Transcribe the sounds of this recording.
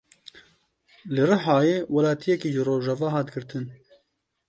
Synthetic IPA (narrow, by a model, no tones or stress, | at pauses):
lɨrɨħɑːjeːwɐlaːt̪ʰijɛkiːʒɨɾoːʒɑvɑːɦɑːt̪ɡɨɾt̪ʰɨn